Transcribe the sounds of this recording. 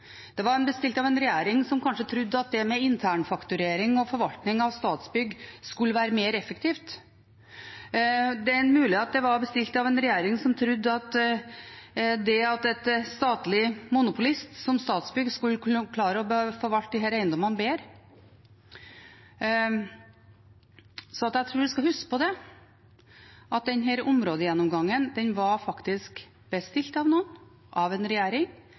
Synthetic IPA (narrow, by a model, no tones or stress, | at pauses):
d̪̥ɛʋɑɾɛnbəst̪ɪlt̪ɑʋɛnɾɛjeːɾɪŋsɔmkʰɑnʂət̪ʰɾʉd̪ːəɑt̪̚d̪ɛmɛɪnt̪ʰæːɳfɑkt̪ʉɾeːɾɪŋɔfɔɾʋɑlt̪nɪŋɑʋst̪ɑːt̪sbʏɡːskʉlːəʋæːɾəmeːɾɛfːəkt̪ʰiːft̪ | d̪ɛɛnmʉːlɪheːɑt̪̚d̪ɛʋɑɾbəst̪ɪlt̪ɑʋɛnɾɛjeːɾɪŋsɔmt̪ʰɾʉd̪ːɑt̪ | d̪ɛɑt̪ɛt̪st̪ɑːt̪lɪmʊnʊpʊlɪst̪sɔmst̪ɑːt̪sbʏɡskʉlːkʰlɑːɾəɔbəfoːɾʋɑlt̪̚d̪ɪɦæːɾæɪnd̪ɔmənbeːɾ | sɔɑt̪æɪt̪ʰɾuːɾʋɪskɑhʉskə̥pʰɔd̪ɛ | ʔɑt̪̚d̪ɛnɦeːɾʊmɾoːd̪əjɛnːɔmɡɑŋːənd̪ɛnʋɑɾfɑkt̪ɪsk | b̥əst̪ɪlt̪ɑʋnuːən | ʔɑʋɛnɾɛjæːɾɪŋ